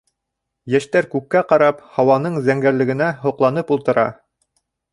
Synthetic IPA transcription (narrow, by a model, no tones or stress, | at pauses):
jæʃt̪æɾkʉkːæqɑɾɑphɑwɑnɤɴzæŋɡæɾlɘ̆ɡɘ̆næɦŏqlˠɑnɤpulˠt̪ɤ̆ɾɑ̰